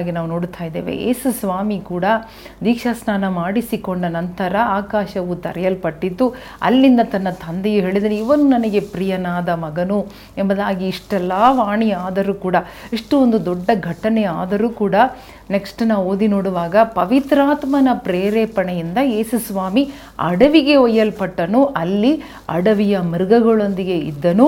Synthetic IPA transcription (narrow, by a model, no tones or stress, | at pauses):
ɡinaːʋuno̞ːɽut̪ʰaːjd̪eːʋḛḛːsusʋaːmikuːɽɐ | d̪iːkʂɐsnaːnɐmaːɽisikoɳɖɐnɐnt̪ɐɾɐaːkaːʃɐʋut̪ɐ̰ɾɛjɐlpɐʈːit̪ːu | ɐ̰lːind̪ɐt̪ɐnːɐt̪ʰɐnd̪ejuɦeːɭid̪ɐneiʋɐnunɐnɐɡe̞pɾijɐnaːd̪ɐmɐɡɐnu | embɐd̪aːɡiːʂʈɛlːɐʋaːɳiaːd̪ɐɾuːkuːɽɐiʂʈuond̪ud̪ɔɖːɐɡʱɐʈːɐnɛaːd̪ɐɾuːkuːɽɐ | neksʈunaːʋo̞ːd̪inoːɽuʋaːɡɐpɐʋit̪ɾaːt̪mɐnɐpɾeːɾeːpɐɳɛjind̪ɐeːsusʋaːmi | ɐ̰ɽɐʋiɡe̞ɔjːɐlpɐʈːɐnuʔɐlːi | ɐ̰ɽɐʋijɐmiɾɡɐɡɐɭond̪iɡe̞ḭd̪ːɐnu